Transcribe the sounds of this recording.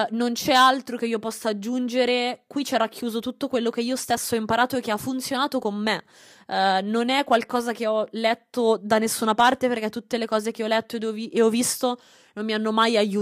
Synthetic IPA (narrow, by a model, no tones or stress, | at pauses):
nont͡ʃɛalt̪ɾok̟eiːopɔsːaad͡ʒːund͡ʒeɾekwit͡ʃɛɾakʰːjuːzot̪ut̪ːokwelːokeiːost̪esːɔimpaɾaːt̪oek̟ːeafːunt̪sjonaːt̪okomːe | nonɛkːwalkɔːzak̟eɔlɛt̪ːod̪anesːunapart̪eperkɛt̪ːut̪ːelekɔːzek̟eɔlɛt̪ːoed̪vieɔvist̪o | nomːianːomajajuː